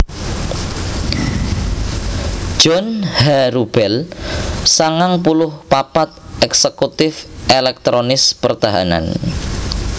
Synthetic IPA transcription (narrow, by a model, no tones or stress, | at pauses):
ʒ̥ɔnhaɾub̥ɛl | saŋaŋpulʊhpapat̪̚ʔɛksəkut̪ɪfʔelɛk̚t̪ɾonɪspərt̪aɦa̰na̰n